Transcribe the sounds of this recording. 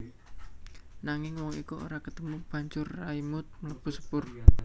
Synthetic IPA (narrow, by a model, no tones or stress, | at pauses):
naŋɪŋwɔŋḭkuo̰ɾakət̪əmub̥a̤ɲd͡ʒʊrːaimʊt̪̚mələb̥ṳsə̥pʊr